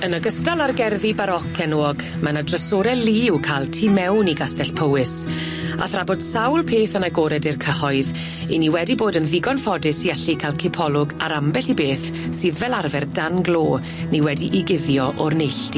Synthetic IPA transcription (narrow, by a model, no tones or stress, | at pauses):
ənəɡəstalˠarɡɛrðibaɾɔkʰɛnoːɔɡ | manadrəsoɾɛliːwkʰalˠtʰiːmɛwniɡastɛɬpʰowɪs | a̰θrabɔd̥sawlˠpʰeːθənaɡoːɾɛdɪrkʰəhɔɨð | iniwɛdiboːdənðɪɡɔnfɔdɪsiɛɬikʰalˠkʰɪpʰɔlˠʊɡa̰ɾambɛɬibeːθ | sɨːðvɛlarvɛrdanɡlˠoː | niwɛdiʔiɡɪðjɔʔɔrnejɬti